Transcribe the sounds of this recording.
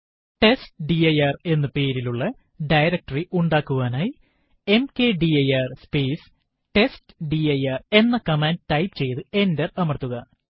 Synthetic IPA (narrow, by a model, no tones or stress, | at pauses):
ʈe̞sʈɖiɐjaːre̞nːɨpe̞ːɾiluɭːɐ | ɖɐjɾɐk̚ʈɐriʔuɳɖaːkːuɣaːnaːji | e̞mke̞ːɖiɐjaːrspeːs | ʈe̞stɖiɐjaːre̞nːɐkɐmaːndtɐjpt͡ɕe̞jt̪ɨe̞ndɐrɐmɐrt̪ːuɣɐ